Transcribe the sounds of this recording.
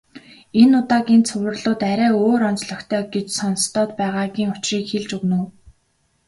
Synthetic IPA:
enʊt̪aːɣʲiːnt͡sʰʊwʲɘ̆rɮʊːt̪æɾʲæːoːɾɔnt͡sɮɞ̆xt̪ʰœːɡet͡ɕsɔn̆st̪ʰɔːt̪pæːʁaːɣʲiːŋʊt͡ɕriːkxeɮt͡ɕɵɣnŭw

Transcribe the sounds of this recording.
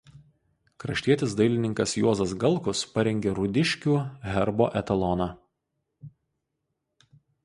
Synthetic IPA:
kɾɐʃʲt̪ʲiɛt̪ʲɪsd̪ɐɪlʲɪnʲɪŋkɐsjuɔzɐsɡɐlˠˑkʊspɐɾʲɛŋʲɡʲeːɾʊd̪ʲɪʃʲkʲuːɦʲɛɾbo̰ːʔɛt̪ɐlˠɔnɑ

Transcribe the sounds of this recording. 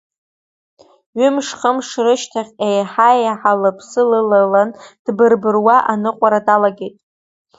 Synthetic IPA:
ɥʏmʂχəmʂrɨʃtʰaχʲʼejħajaħalɨpʰsɨlɨlaland̥bɨrbɨrwaʔanɨqʷʼaɾadalaɡʲe̞jtʼ

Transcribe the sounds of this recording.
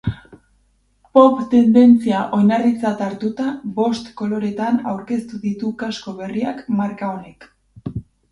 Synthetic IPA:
po̞pt̪e̞nd̪e̞nt͡siaʔo̞jnaɾðit͡sat̪aɾt̪ut̪aβo̞st̪ko̞lo̞ɾe̞t̪ana̰wɾke̞st̪uðit̪ukasko̞β̞e̞riakmaɾkao̞ne̞k

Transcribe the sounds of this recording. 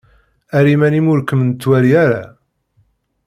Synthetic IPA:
æɾimænimʊɾkːəmnt͡s̪ːwæɾijæɾa̰

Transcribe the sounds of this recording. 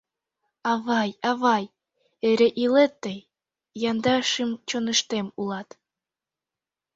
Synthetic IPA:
ɑβɑjɑβɑj | eɾeʔilet̪ːəj | jɑnd̪ɑʃəmt͡ɕonə̆ʃt̪emulɑt̪

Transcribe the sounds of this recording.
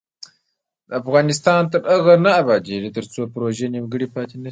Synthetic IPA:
d̪əafɣɑːnɪst̪ɑːnt̪ɐɾɐɣɐnaːbad͡ʒeɾit̪əɾt͡sopɾoʒenimɡəɽipɑːt̪inɐ

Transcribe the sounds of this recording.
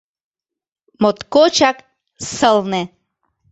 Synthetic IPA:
mot̪kot͡ɕak | səlne

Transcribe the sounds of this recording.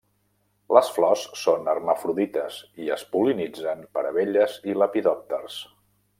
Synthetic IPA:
ləsflɔssonərməfɾuðit̪əziəspulinid͡zəmpəɾəβeʎəziləpiðɔp̚t̪ərs

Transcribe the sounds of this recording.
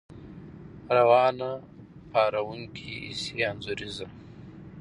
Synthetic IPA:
ɾawɑːna | paːɾawuŋkʰiḭseanzuɾiza

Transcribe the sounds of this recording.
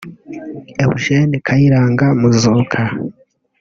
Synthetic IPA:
ehuʒenikʰajiɾaːŋɡamuzoːkʰa

